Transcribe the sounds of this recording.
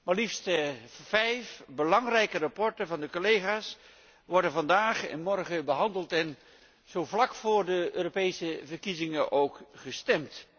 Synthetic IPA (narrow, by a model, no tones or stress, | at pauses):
maɹlifstəvɛjfbəlɑŋrɛjkərapɔɹtənvɑndəkolejχaːs | ʋɔɹdənvɑndaːχɛ̰nmɔrχəbəɦɑndəlˠtɛn | z̥owvlɑkfʊːɹdəøːɾopejsəvəɹkizɪŋənʔowkχəstɛmt